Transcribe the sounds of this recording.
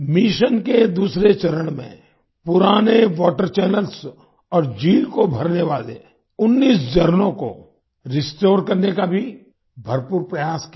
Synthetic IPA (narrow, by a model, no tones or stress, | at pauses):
miʃənked̪uːsɾet͡ʃɐɾəɽ̃mḛ̃ | pʊɾaːneʋɔːʈəɾt͡ʃɛːnəls | ɔːɾd͡ʒiːlkobʱɐɾneʋaːlḛ | ʊnːiːsd͡ʒɐɾnõko̰ | ɾɪsʈoːɾkɐɾnekabʱi | bʱɐɾpuːɾpɾəjaːsk